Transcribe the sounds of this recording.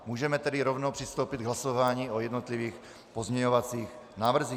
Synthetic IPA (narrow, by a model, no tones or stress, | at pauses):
muːʒɛmɛt̪ɛdiɾovnowpr̥ist̪owpid̪̚ɡɦlasovaːɲiːojɛd̪not̪liviːx | pozɲɛɲovat͡siːx | naːvr̩ziː